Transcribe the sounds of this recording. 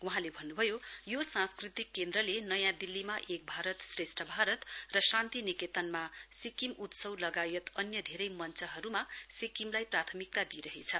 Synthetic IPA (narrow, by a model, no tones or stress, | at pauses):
wuɦãlebʱʌnːubʱʌjojosãnskrit̪ikːend̪ɾʌlenʌjãd̪ilːimaʔek̚bʱaɾʌt̪sresʈʰʌbʱaɾʌt̪rʌsãnt̪iniket̪ʌnmasikimut̪sʌwlʌɡajʌt̪ʌnjʌd̪ʱeɾʌjmʌnt͡sʰʌɦʌɾumasikimlajprat̪ʰʌmik̚t̪ad̪iɾʌɦet͡sʰʌ